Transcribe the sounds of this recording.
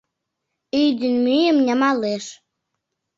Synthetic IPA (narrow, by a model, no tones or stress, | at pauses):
yjd̪ənmyjəmnʲəmɑleʃ